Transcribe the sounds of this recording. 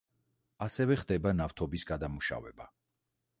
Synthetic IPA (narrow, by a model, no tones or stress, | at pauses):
asɛvɛχd̪ɛbanaft̪ʰɔbisɡad̪amuʃa̰vɛ̰ba